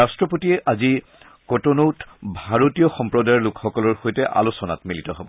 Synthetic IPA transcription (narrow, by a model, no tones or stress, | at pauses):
astɹɔpotiɛʔazi | kɔtonowtbʱaɹotijɔxɔmpɹɔdajɔɹlʊkxɔkɔlɔɹxojtɛʔa̰losɔna̰tmilitɔɦobɔ